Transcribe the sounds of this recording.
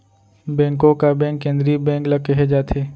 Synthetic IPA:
bɛ̃ːŋkõkabɛ̃ːŋkːẽːnd̪ɾibɛ̃ːŋklɐkeɦed͡ʒaːt̪ʰeː

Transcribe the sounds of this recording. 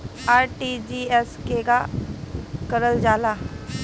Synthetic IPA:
aɾʈid͡ʑieskeɡa | kəɾəld͡ʒala

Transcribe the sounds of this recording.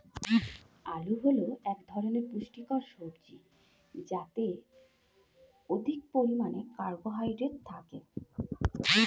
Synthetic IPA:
aluɦoloɛkd̪ʱɔɾoneɾpɾuʃʈikɔɾʃobd͡ʑi | d͡ʑat̪e | od̪ʱik̚poɾimanekaɾboɦajɖɾeʈ̚t̪ʰake

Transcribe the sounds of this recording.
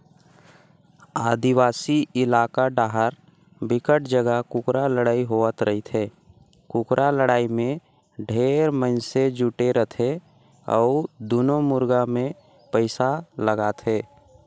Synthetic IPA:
aːd̪iwaːsiʔɪlaːkaɖaːɦəɾ | bɪkəʈ̚d͡ʒəɡəkʊkɾaləɽaːiɦoət̪ɾəɦit̪ʰɦeː | kʊkɾaləɽaːimẽ | ɖʱeːɾməɪnsed͡ʒuːʈeɾət̪ʰe | ɔ̰ːd̪unomʊɾɡamẽ | pəɪsaləɡaːt̪ɦeː

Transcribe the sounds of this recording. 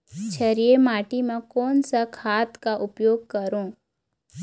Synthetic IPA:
t͡ʃʰəɾijemaːʈimẽkɔːnsakʰaːt̪kaʔʊpjoːɡ̚kɐɾõː

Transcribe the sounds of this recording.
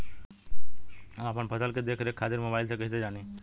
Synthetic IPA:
apəɳpʰɐsəlked̪eːkʰɾeːkʰːaːt̪ɪɾmoːbaːɪls̬ekɐɦised͡ʒaːniː

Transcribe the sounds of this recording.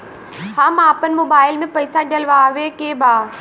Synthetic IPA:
haːmaːpənɪ̆moːbaːɪlmẽpɐɪsaɗɐlʋaʋekeːbʱaː

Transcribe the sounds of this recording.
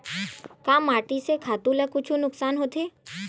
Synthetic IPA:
kaːmaːʈisekʰaːt̪ũlɛkʊt͡ʃʰunʊksaːnɦoːt̪ʰeː

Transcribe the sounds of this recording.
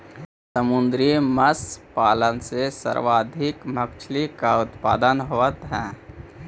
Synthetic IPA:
səmʊnd̪ɾiməspaːlənsesə̰ɾʋaːd̪ʱikmək̚t͡ʃʰlikaʊt̪pa̰ːd̪ənɦoʋət̪ɦɛ̃ː

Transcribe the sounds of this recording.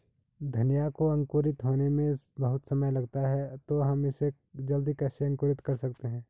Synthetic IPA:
d̪ʱɐnjakoɐ̃ŋkoːɾɪt̪ɦoːnemẽbɐɦʊt̪sɐməjlɐɡt̪aɦɛt̪oɦɐmɪse | d͡ʒɐld̪ikɛːseɐ̃ŋkoːɾɪt̪kɐɾsɐkt̪eɦɛ̃ː

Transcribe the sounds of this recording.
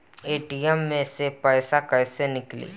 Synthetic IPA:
eːʈiɛmːẽsepɛːsakɐɪsenɪklḭː

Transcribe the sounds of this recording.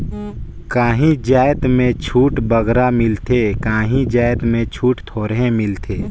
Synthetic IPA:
kaːɦĩd͡ʒaːjt̪mẽt͡ʃʰuːʈbəɡɾamɪlt̪ʰekãːɦĩd͡ʒaːjt̪mẽt͡ʃʰuːʈt̪ʰoːɾɦẽmɪlt̪ʰeː

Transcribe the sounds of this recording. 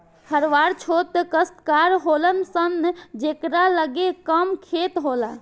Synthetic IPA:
hʰəɾʋaɾt͡ʃʰot̪kəst̪kaɾɦolənsənːd͡ʒekɾaləɡekəmkʰet̪ɦola̰

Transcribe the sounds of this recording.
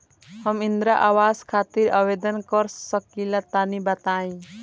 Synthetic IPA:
həmind̪ɾaʔawaskʰat̪iɾabed̪ənkʌɾsəkilat̪anibat̪aĩ

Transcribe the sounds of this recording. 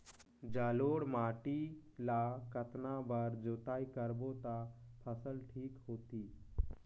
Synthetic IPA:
d͡ʒaːloːɽmaːʈilakət̪nabəɾd͡ʒoːt̪aːikəɾbot̪apʰəsəlʈʰiːkɦoːt̪iː

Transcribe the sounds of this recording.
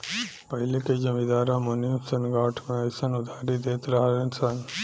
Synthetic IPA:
pɐɦɪleked͡ʒɐmid̪aːɾãmonimsənɡaːʈʰmẽɐjsənʊd̪ʱaːɾid̪eːt̪ɾɐɦalensan

